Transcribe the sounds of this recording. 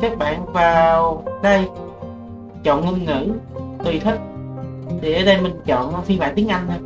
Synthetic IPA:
kaː˦˥k̚ɓa̰ː˧˨nvaː˨˩wɗə˧j | t͡ɕɔ̰˧˨nŋɨ˧nŋɨ̰˧˥t̪i˨˩t̪ʰi˦˥k̚ɗe˧˩əː˨˦ɗə˧jmï˨˩ŋt͡ɕɔ̰˧˨n˨fi˧va̰ː˧˨t̪i˨˦əŋʔa˧jŋ̟˧

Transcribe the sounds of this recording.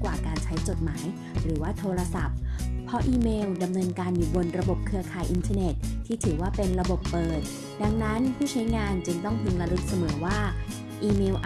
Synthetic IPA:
kwaː˨˩kaː˧nt͡ɕʰa˦˥jt͡ɕo˨˩t̪̚maː˩˦j | ɾɯː˩˦waː˥˩t̪ʰoː˧ɾa˧sa˨˩p̚pʰːɔ˦˥ʔiː˧meː˧wda˧mnɤː˧nkaː˧njuː˨˩bo˧nɾa˧bo˨˩p̚kʰɯ˧ɐkʰaː˨˩jʔi˧nt̪ʰaː˧ne˨˩t̪̚ʰːiː˥˩t̪ʰɯː˩˦waː˥˩pe˧nɾa˧bo˨˩pːɤː˨˩t̪̚ | da˧ŋna˦˥npʰuː˥˩t͡ɕʰa˦˥jŋaː˧nt͡ɕɯ˧ŋt̪ɔ˥˩ŋt̪ʰɯ˧ŋla˧lɯ˦˥˩k̚sa˧mɤː˩˦waː˥˩ | ʔiː˧meː˧wʔ

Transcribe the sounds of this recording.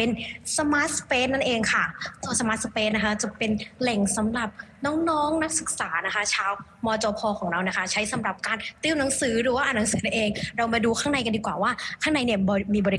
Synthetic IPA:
pe˧nsa˧maː˦˥t̪̚speː˦˥nːa˥nʔeː˧ŋkʰa˥˩k̪ʰoː˧nsa˧maː˦˥t̪̚speː˦˥na˦˥kʰa˦˥t͡ɕa˨˩pe˧nlɛ˨˩ŋsa˩˦mɾa˨˩p̚nɔː˦˥ŋnɔː˦˥ŋna˦˥k̚sɯ˨˩k̚saː˩˦na˦˥kʰa˦˥t͡ɕʰaː˧wmɔː˧t͡ɕɔː˧pʰɔː˧kʰɔː˩˦ŋɾa˧wna˦˥kʰa˦˥t͡ɕʰa˦˥jsa˩˦mɾa˨˩p̚kaː˧nt̪i˥˩˨wna˩˦ŋsɯː˩˦ɾɯː˩˦waː˥˩ʔa˧na˩˦ŋsɯː˩˦na˦˥˩ʔeː˧ŋɾa˧wmaː˧duː˧kʰaː˥˩ŋna˧jka˧ndiː˧kwaː˨˩waː˥˩kʰaː˥˩ŋna˧jni˥˩ɐbːmiː˧bɔː˧ɾi˦˥

